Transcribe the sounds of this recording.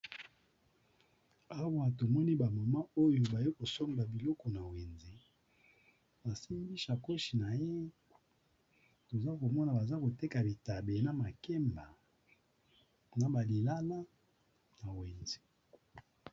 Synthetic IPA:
a˦wa˨to˨mɔ˦ni˦ba˨ma˨ma˦o˦jo˨ba˨je˦ko˨sɔ˦ŋba˨bi˨lɔ˦kɔ˨na˨we˨nze˨ | ba˨si˦mbi˦ʃa˨ko˦ʃi˨na˨je˦ | to˨za˦ko˨mɔ˦na˨ba˨za˦ko˨te˦ka˨bi˨ta˨be˨na˨ma˨ke˦mba˨ | na˨ba˨li˨la˦la˦ | na˨we˨nze̥˨

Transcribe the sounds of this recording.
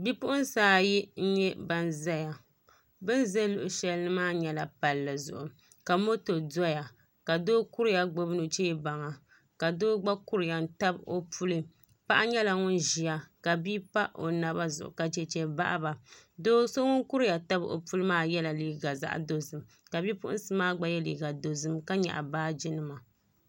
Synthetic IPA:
bi˦pʊ˦ʔʊ˦nsaː˦ji˦n̩˦ɲɛ˦ba˦n˦za˦ja˨ | bɨ˦n˦ze˦lʊ˨ʔʊ˨ʃɛ˦lnɨ˦maː˦ɲɛ˦la˨pa˨lːɨ˨zʊ̰˨ʔʊ˨ | ka˨mo˦to˨da˦ja˨ | ka˨doː˦ku˦ɾɪ˦ja˨ɡ͡bo˦bnɨ˨t͡ʃeː˦ba˨ŋa˨ | ka˨doː˦ɡ͡ba˦ku˦ɾɨ˨ja˨n˦ta˦bo˦pu˦lɨ˦ | pa˦ʔa˦ɲɛ˦la˨ŋʊ˦nʒi˨ja˨ka˨bi˦pa˦ʔʔo̰˨na˨ba˦zʊ̰˨ʔʊ̰˨ka˨d͡ʒɛ˦t͡ʃɛ˦ba̰˦ʔba˨doː˦so˦ŋʊ˦nku˦ɾɨ˦ja˨ta˦bo̰˨pu˦lɨ˦maː˦˨jɛ˦la˨liː˦ɡa˨za̰˦ʔdo˦zɨ˨m | ka˨bi˦pʊ˦ʔʊ̰˦n̩˦sɨ˦maː˦ɡ͡ba˦jɛ˦lḭ˨ɡa˨do˨zɨ˦mka˦ɲɛ̰˨ʔa̰˨baː˦d͡ʒi˦nɨ˦ma˨

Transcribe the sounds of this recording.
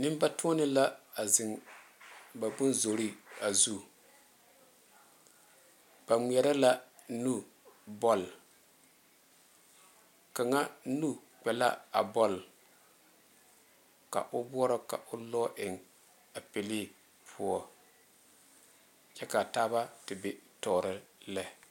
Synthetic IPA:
nɪ˦m˦ba˦tʊ˦ɔ˦nɪ˦la˦a˨zɪ˨ŋ | ba˨bʊ˦nzo˨ɾi˦a˨zu˦ | b̥a˨ŋ͡mi˨ɛ˨ɾa˦la˦ | nu˦ | bɔ˦l | ka˨ŋa˦nu˦ | k͡pɛ˨la̰˦a̰˨bɔ˦˨l | ka̰˨ʔʊ˦bʊ˦ɔ˦ɾɔ˦ka̰˨ʔʊ˦lɔː˦ʔɪ˨ŋ | a˨pe˨liː˦ | pʰʊ˦ɔ˦ | t͡ʃɛ˦ka˨taː˦ba˦tɪ˨be˨tɔː˨ɾɪ˦lɛ˦˨

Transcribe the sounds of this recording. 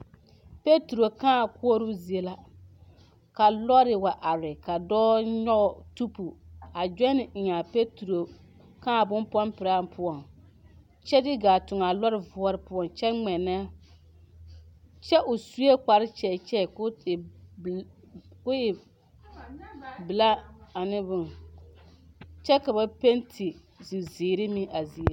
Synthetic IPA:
pe˦tu˨ɾo˨kãː˦˨kɔ˦ɾʊ˦zi˨e˦la˦ | ka˨lɔ˦ɾɪ˨wa˨ʔa˨ɾɪ˨ka˨dɔː˦ɲɔ˦ɣɔ˨tu˦pu˨a˨d͡ʒɛ˦nɪ˨ɪ˨ɲa˨pe˦tu˨ɾo˨ | kãː˦˨bʊ˦npɔ˦npɪ˨ɾa˦˨n˦pʰʊ˦ɔ˨n | t͡ʃɛ˦dɪ˦ɡaː˨tʊ˨ŋa˨lɔ˦ɾɪ˨vʊ˦ɔ˦ɾɪ˨pʊ˦ɔ˨nt͡ʃɛ˦ŋ͡mɛ˨nɛ˦ | t͡ʃɛ˦ʔʊ˨su˦e˦k͡pa˨ɾɪ˦t͡ʃɛ˨t͡ʃɛ˦˨k | kʊ˦ɪ˨ | bɪ˨la˦a˨nɪ˦bʊ˦ŋ | t͡ʃɛ˦ka˨ba˨pe˦ntʰi˨ | zi˨ziː˨ɾɪ˦mi˦ʔa˨zi˨e˦

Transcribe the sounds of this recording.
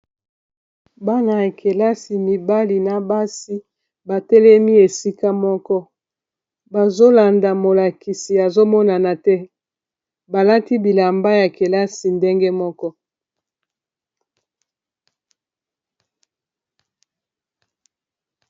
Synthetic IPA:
ba˦na˨ja˨kʰe˨la˦si˨mi˨ba˦li˨na˨ba˦si˦ | ba˨tɛ˦lɛ˦mi˦e˨si˦ka˦mɔ˦kɔ˦ | ba˨zo˦la˨nda˨mo˨la˨ki˨si˨a˨zo˦mɔ˦na˨na˨tɛ˦ | ba˨la˦ti˦bi˨la˨mba˦ja˨ke˨la˦si˨nde˦ŋɡe˦mɔ˦kɔ˦

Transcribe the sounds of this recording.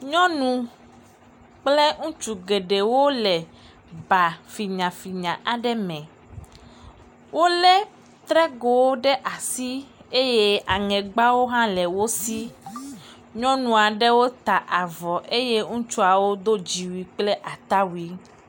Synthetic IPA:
ɲɔ̃˦nũ˦ | k͡plɛ˦ŋũ˦t͡ʃu˨ɡe˨ɖe˨wo˦lɛ˨ | ba˨fi˨ɲã˨fi˨ɲã˨ʔa˨ɖɛ˦mɛ̃˨ | wo˦lɛ˦ | t̪ɾɛ˦ɡo˨wo˦ɖɛ˦ʔa˨si˦e˦je˦a˨ŋɛ̃˨ɡ͡ba˦wo˦ɦã˦lɛ˨wo˦si˦ | ɲɔ̃˦nũ˨a˨ɖɛ˦wo˦t̪a˨ʔa˨vɔ˨ʔe˦je˦ŋũ˦t͡ʃu˦a˨wo˦d̪o˦d͡ʑi˨wi˨k͡plɛ˦ʔa˨t̪a˦wi˦

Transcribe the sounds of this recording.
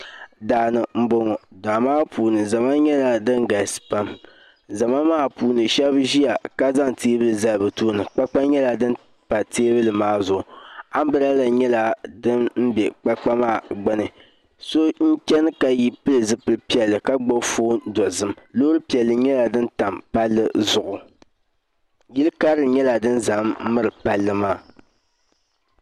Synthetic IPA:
daː˨nɨ˨m̩˨bo˨ŋɔ˨da˨maː˦pʰuː˨nɨ˨za˨ma˦ɲɛ˦la˨dɨ˦ŋɡa˨sɨ̥˨pa˦m | za˨ma˦maː˦puː˨nɨ˨ʃɛ˦bʒi˦ja˨ka˦za˦ŋteː˦bɨ˦lɨ˨za˦lbɨ˨toː˦nɨ˨k͡pa˦k͡pa˦ɲɛ˦la˨dɨ˦n˦ | pa˨teː˦bɨ˦lɨ˨maː˦zʊ˨ʊ˨a˦m˦bɨ˦ɾa˦la˨ɲɛ˦la˨dɨ˦nm̩˦bɛ˨k͡pa˦k͡pa˦maː˦˨ɡ͡bɛ˦nɨ˨ | so˦ɲ̩˦t͡ʃɛ˦nɨ˦ka˨ji˦pɨ˦lɨ˨zɨ˦pɨ˦lpi˦ɛ˨lːɨ˨ka˦ɡ͡bo˦foː˦dɔ˨zɨ˦mlo˦ɾɨ˦pi˨ɛ˨lːɨ˨ɲɛ˦la˨dɨ˦nta˨mpa˦lːɨ˦zʊ˨ʔʊ˨ | ji˦lɨ˦ka˦ɾɨ˦ɲɛ˦la˨dɨ˦nza˨m˦mɨ˦ɾɨ˨pa˦lːɨ˦maː˦

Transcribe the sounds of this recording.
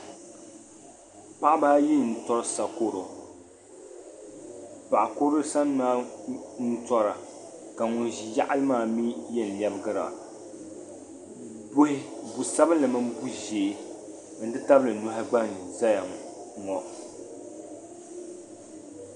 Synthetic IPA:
pa˦ʔbaː˦ji˦˨n̩˨tɔ˦ɾsa˨ko˦ɾo˨ | pa˨ʔa˨ko˦ɾo˦sa˦n˦ma˦n̩˦tɔ˦ɾa˨ | ka˨ŋʊ˨nʒi˨ja˦ʔa˦lɨ˦maː˦˨mi˦jɛ˦n˨lɛ˦bɨ˦ɡɨ˦ɾa̰˨ | bhɪ˦bu˨sa˦bɨ˦la˨mɨ˦m˦bu˦ʒeː˨˦ | n̩˦dɨ˦ta˦blɨ˨nu˦ɦa˦ɡ͡ba˦nza˦ja˨ŋɔ˨

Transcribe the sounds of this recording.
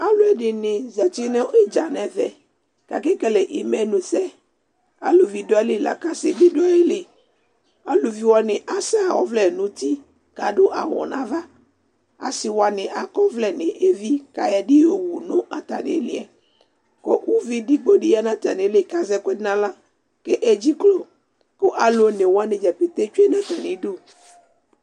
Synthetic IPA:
a˦lʊ˦ɛ˦dɪ˨nɪ̃˨zɛ˨t͡ʃi˦nɛ̃˦i˦d͡ʒa˨nɛ̃˨vɛ̰˨ | ka̰˨kɛ˦kɛ˨lɛ˨ʔi˨mɛ˨nũ˨sɛ˦ | a̰˨lu˨vi˨dɔ˦ɛ˦li˦la̰˨ka˦sɪ˨bi˦do˦e˦lɪ˨ | a˨lu˨vi˨wɔ˨nɪ̃˨ʔa˨sɛ˦a˨wɔ̰˦vlɛ˨nũ˨˦t̪i˦ | ka˨ɖʊ˦ʔa̰˨wɔ̰˨nã˦va˦ | a̰˨si˨wa˨nẽ˨ʔa˨kɔ˦vlɛ˦˨nẽ˨ʔe˦vi˦ka̰˨ja˨ɖi˦o˨wu˨nõ˦ʔa˨t̪a̰˨nḛ̃˨le˨ɛ˨ | kɔ̰˦wu˦vi˦di˦ɡ͡bo˦ɖi˦a˦nã˦t̪a˨nẽ˨˦le˦ka˦zɛ˦ke˦nã˦lã˦ | ke˦ʔɛ˨d͡ʒi˦klo˨ | ko˦ʔa˨lo˨˦nẽ˨wo˨˦a˦nẽ˨d͡ʒɛ˨pe˨t̪e˦t͡ʃu˦e˦nã˦t̪a˨nẽ˨˦ɖo˦˨

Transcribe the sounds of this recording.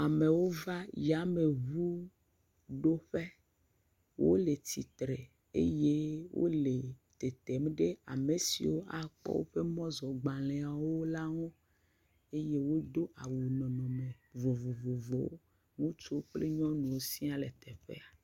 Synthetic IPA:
a˨me˨wo˦va˦ja˦me˨βu˦ | ɖo˦ɸe˦ | wʔo̰˦le˨t̪i˨t̪ɾe˨ | ḛ˦je˦wʔo̰˦le˨t̪e˨t̪ɛ˨m˦ɖe˦a̰˨me˨sḭ˨wo˦ʔa˨k͡pɔ̰˦wo̰˦ɸe˦mɔ̃˦zɔ˨ɡ͡ba˨lɛ̃˨a˨woo˦la˦ŋɔ̃˦ | e˦je˦wo˦d̪o˦ʔa˨wu˨nɔ̃˨nɔ̃˨me˨ | vo˨vo˨vo˨vo˨˦wo̰˦ | ŋũ˦t͡ʃo˦k͡ple˦ɲɔ̃˦nũ˨wo˦si˦a˦le˨t̪ɛ˨ɸḛ˦a˨

